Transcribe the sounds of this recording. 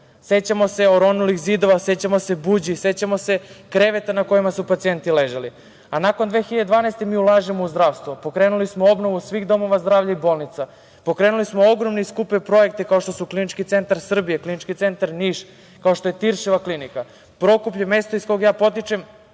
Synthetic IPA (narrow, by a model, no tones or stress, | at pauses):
se̞t͡ɕamo̞se̞oɾo̞nulixzid̪o̞ʋase̞t͡ɕamo̞se̞bud͡ʑise̞t͡ɕamo̞se̞kɾe̞ʋet̪anako̞jimasupat̪sije̞nt̪ileʒeli | anakond̪ʋe̞ːxiʎad̪ed̪vʋaːnaest̪emiːulˠaːʒemo̞uzd̪ɾaːʋst̪ʋopo̞kɾeːnulismoo̞bno̞ʋusʋiɣd̪o̞mo̞ʋazd̪ɾaːʋʎaibo̞lˠnit̪sa | po̞kɾe̞ːnulismooɡɾo̞mniskupepɾo̞je̞k̚t̪ikao̞ʃt̪o̞suklinit͡ʃkit̪se̞nt̪aɾsr̩bijeklinit͡ʃkit̪se̞nt̪aɾniːʃ | kao̞ʃt̪o̞je̞t̪iɾʃiʋaklinika | pɾo̞kup̬ʎeme̞st̪oisko̞jɡjaːpo̞t̪̬it͡ʃem